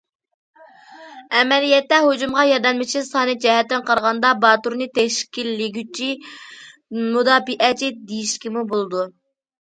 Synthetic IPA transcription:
ɛmɛlijɛt̪ːɛɦod͡ʒumʁɑjɑd̪ɛnmɪt͡ʃʰisɑːnɨd͡ʒɛɦɛt̪ːɪnqɑɾʁɑnd̪ɑbɑt̪uɾnɨt̪ʰɛʃkʲilːɪɡʲyt͡ʃʰi | mud̪ɑːbiʔɛt͡ʃʰid̪ejiʃkʲimubolˠɨd̪u

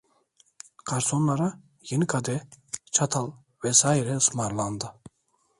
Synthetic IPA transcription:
kʰaɾsʰo̞nlˠaɾa | jenikʰad̪ɛt͡ʃʰat̪ʰalˠ | vɛsaːiɾɛɯsmaɾlˠand̪ɯ

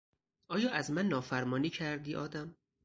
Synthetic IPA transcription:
ʔɒːjɒːʔæzmænːɒːfæɾmɒːniːcʰæɾd̪iːʔɒ̰ːd̪æm

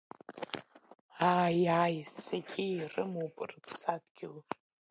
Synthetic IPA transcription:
aːjaːjsaɡʲejrɨmowpʼrɨpʰsadɡʲɪl

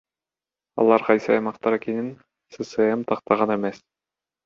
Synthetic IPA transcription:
ɑ̰lˠɑɾqɑjsɯɑ̰jmɑqt̪ɑɾækinin | sɨsɨemt̪ʰɑq̚t̪ɑʁɑnemes

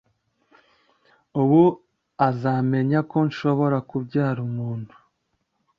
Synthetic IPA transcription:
uβu | azaːme̞ɲako̞nʃo̞βo̞ɾakubɟaːɾumuːnhu

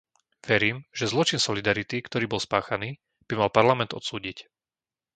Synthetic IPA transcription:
ʋɛɾiːmʒ̥ɛzlɔt͡ʃinsɔlid̪aɾit̪ikt̪ɔɾiːbɔlˠspaːxaniː | b̥imalpaɾlamɛnd̪ɔ̰t̪suːɟic

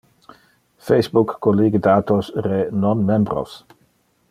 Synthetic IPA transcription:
fejsbukːoliːɡəd̪aːt̪osrenonmembɾo̰s

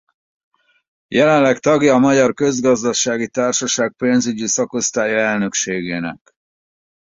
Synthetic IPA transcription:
jɛlɛnlːɛkt̪ɒɡjɒːmɒɟɒrkø̞zɡɒzd̪ɒʃaːɡit̪aːrʃɒʃaːk̚peːnzyɟisɒko̞st̪aːjɒɛlnø̞kʃeːɡeːnɛ̰k

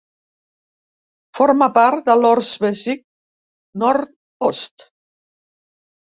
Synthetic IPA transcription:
fɔɾmapaɾt̪̚d̪əlɔɾzβɛzik̚ | nɔɾt̪̚ | ɔst̪

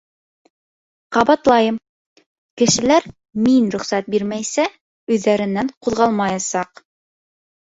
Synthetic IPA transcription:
qɑβɑt̪lˠɑjɤm | kɘ̆ʃɘ̆læɾ | minɾɵ̆χsæt̪̚biɾmæjsæ | ʉðːæɾɘ̆nːæɴquðʁɑlˠmɑjɑsɑq

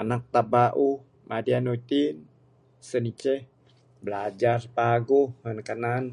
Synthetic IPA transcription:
anak̚t̪abaʔuh | mʔadianut̪in | sənit͡ʃɛh | bəlad͡ʒarpaɡohmənkənan

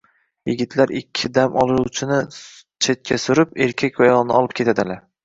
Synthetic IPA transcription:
jɪɡʲɪt̪ʰlaɾɪkʲʰːɪd̪amʔɒlˠɪɾuwt͡ʃʰɪnɪ | t͡ʃʰe̞t̪̚kʲʰasʊɾɪpeɾkʲʰakʲvajɒlˠnɪɒlˠɪp̚kʲʰe̞t̪ʰad̪ɪlaɾ

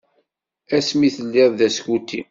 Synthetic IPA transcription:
æsmiθəlːɪððæskut̪ːḭm

